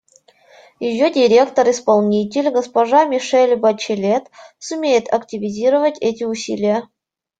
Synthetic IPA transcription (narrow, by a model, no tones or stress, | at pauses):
jɪjːodʲɪɾʲe̞kt̪əɾɪspɐlˠnʲitʲɪlʲɡəspɐʐamʲɪʂɛlʲbɐt͡ɕɪlʲet̪sʊmʲejɪt̪ɐktʲɪvʲɪzʲiɾəvətʲɛtʲɪʊsʲḭlʲɪjə